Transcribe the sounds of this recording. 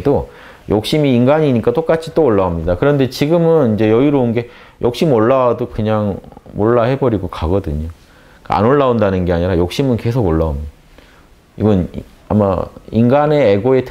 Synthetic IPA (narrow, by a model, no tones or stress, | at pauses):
do | jok̚ɕ͈imiːnɡaɲiɲik͈at͈ok͈at͡ɕʰit͈ooɭːaamɲidakɯɾʌnde̞t͡ɕiɡɯmɯnind͡ʑe̞jʌiɾounɡe̞ | jʔok̚ɕ͈imoɭːawadokɯɲaŋmoɭːahe̞bʌɾiɡokaɡʌdɯɲo | ka̰a̰noɭːaondanɯnɡe̞aɲiɾajok̚ɕ͈imɯnke̞s̬ʰoɡoɭːaomɲi | iɡʌn | a̰ma̰inɡane̞ːɡoe̞tʰ